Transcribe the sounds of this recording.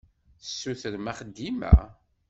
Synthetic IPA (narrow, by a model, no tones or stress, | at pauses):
θəsːuθəɾmæχəd̪ːimæ̰